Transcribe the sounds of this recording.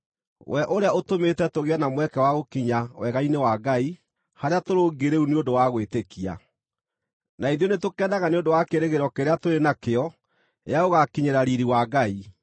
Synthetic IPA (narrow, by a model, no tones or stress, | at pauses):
wʔɛʔoɾeaotometɛtoɣeanamwɛkɛwaɣokiɲawɛɣainewaɡai | haɾeatoɾoːɡeɾeuneondowaɣwetekia̰ | naiðjɔnetokɛːdaɣaneondowakeɾeɣeɾɔkeɾeatoɾenakeɔ | ḛjaoɣakiɲeɾaɾiɾiwaɡai